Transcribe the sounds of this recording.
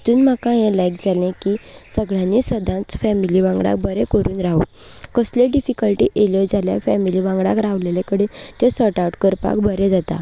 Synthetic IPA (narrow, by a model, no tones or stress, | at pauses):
t̪uːnm̤akãɦẽlajk̚d͡zalẽkisəɡɭjãnːisəd̪ʱãt͡sfɛmiliʋãŋɡɽa̰k̚bʱəɾekəɾuːnɾaɦṵ | kəsleɖifikəlʈḭːʔeləd͡zʱalja̰fɛmiliʋãŋɡɽakɾaʋlelekəɽet̪jɔsəʈawʈkəɾpa̰kbʱəɾed͡zat̪a̰